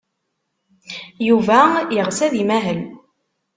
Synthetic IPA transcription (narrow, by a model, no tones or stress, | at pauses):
juvæjəʁsæðimæɦəl